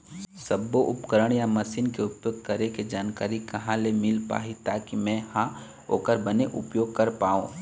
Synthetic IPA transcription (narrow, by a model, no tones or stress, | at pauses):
sɐbːoʔʊpkəɾəɽ̃jamɐsiːnkeʊpjoːɡkɐɾeked͡ʒaːnkaːɾikɐɦãlemɪlpa̰ːɦit̪aːkimɛ̃hã | o̰ːkəɾbɐneʔʊ̰pjoːɡ̚kɐɾpaːõː